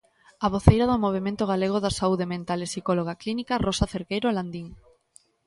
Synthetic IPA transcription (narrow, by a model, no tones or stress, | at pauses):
aβ̞oθejɾaðomoβ̞emẽnt̪oɣaleɣ̞oðasauðemẽnt̪alesikoloɣ̞aklinikarosaθeɾkejɾoland̪iŋ